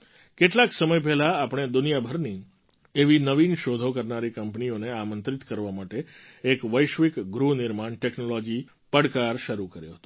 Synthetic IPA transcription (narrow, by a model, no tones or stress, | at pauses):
keʈlaksəməjp̬ɛɦlaːpɳ̃ed̪ʊnijabʱəɾni | eʋinəʋinʃod̪ʱokəɾnaɾikəmpnioneamə̃nt̪ɾit̪kəɾʋamaʈeekʋəjʃʋikɡɾunɪɾmaɳʈɛknolɔd͡ʒi | pəɽkaɾʃəɾukəɾjo̰ɦət̪o